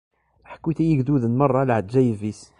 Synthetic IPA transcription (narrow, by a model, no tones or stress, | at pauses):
ħə̥kːiθæjəɡd̪uðənmɑrˤːɑlʕəd̪ʒæjəvis